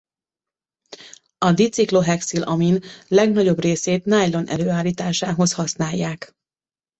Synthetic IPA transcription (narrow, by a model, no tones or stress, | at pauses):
ɒd̪it̪siklo̞ɦɛksilʔɒminlɛɡnɒɟo̞breːseːt̪najlo̞nʔɛ̰løːaːlːiːt̪aːʃaːɦo̞shɒsnaːjːaːk